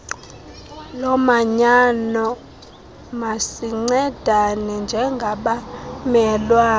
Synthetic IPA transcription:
lɔmaɲanɔ | masiŋ͡ǀɛd̥ʱanɛnd͡ʒʱɛŋɡʱaɓamɛlwaː

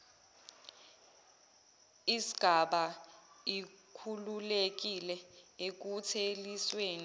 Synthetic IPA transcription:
isi̥ɡ̥ʱaɓaikʰululek̬ilɛek̬utʰelisweːni

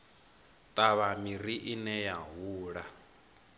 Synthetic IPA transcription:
t̪ʼaβamiɾiʔinɛjaɦuːɺa

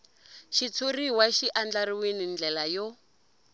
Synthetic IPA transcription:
ʃit͡sʰoriɦwaʃiʔand͡ɮaɾiwenind͡ɮɛlajɔ

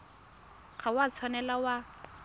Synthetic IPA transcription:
ɣʰawat͡sʰwanɛlawa

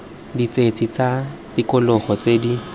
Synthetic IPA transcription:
dit͡set͡sʰʼit͡satikʊlɔχɔt͡sedi

